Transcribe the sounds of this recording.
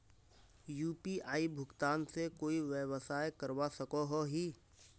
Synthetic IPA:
juːpiʔaːibʱʊkt̪aːnsekoːiʋewəsaːekəɾwasɐkoɦoɦiː

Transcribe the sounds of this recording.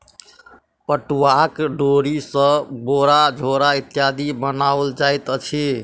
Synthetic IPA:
pəʈuwakɖoɾisə̃boɾad͡ʒʱoɾait̪jad̪ʱibənawld͡ʒajt̪t͡ʃʰi

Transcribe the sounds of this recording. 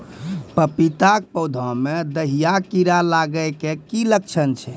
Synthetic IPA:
pəpit̪ak̚pəwd̪ʱɔ̃med̪əɦijakiɾalaɡəjkekilək̚t͡ʃʰənt͡ʃʰɛ

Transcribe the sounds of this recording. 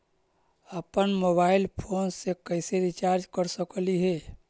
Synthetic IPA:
əpənmoːbaːɪlpʰoːnsekəɪseɾit͡ʃaːɾd͡ʒkəɾsəkliɦɛː

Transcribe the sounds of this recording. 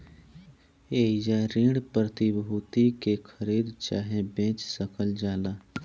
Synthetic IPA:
eːid͡ʒaɾĩːɽpɾət̪ibɦut̪ikekʰəɾiːd̪t͡ʃaːɦẽbẽːt͡ʃsəkʰəld͡ʒaːlaː

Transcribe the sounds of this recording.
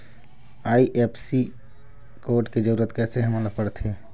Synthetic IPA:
aːiʔepʰsi | koːɾʈked͡ʒəɾuːɾət̪kɛːseɦəmalapəɽt̪ʰɦe

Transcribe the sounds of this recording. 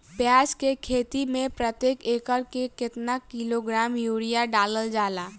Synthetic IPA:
pjaːd͡ʒkekʰeːt̪imẽpɾət̪jeːkeːkəɾkekɪt̪nakɪloɡɾaːmjuːɽijaɖaːləld͡ʒaːlaː

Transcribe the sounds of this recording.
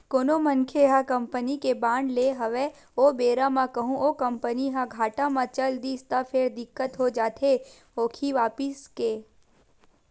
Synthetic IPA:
koːnomɐ̃nkʰeɦãkɐ̃mpənikebãːɳɖleɦɐʋe | obeːɾamãkɐɦũʔoːkɐ̃mpəniɦãɡʱaːʈamãt͡ʃɐld̪ist̪apʰeɾd̪ɪkːət̪ɦod͡ʒaːt̪ʰe | oːkʰiʋaːpɪskeː

